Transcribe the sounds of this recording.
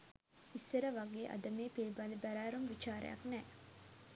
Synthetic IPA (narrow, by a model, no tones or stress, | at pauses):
isːeɾɐʋɐɡeːʔɐ̰d̪ɐmeːpilibalibæɾæːɾumʋit͡ʃaːɾɐ̰jɐ̰knɛː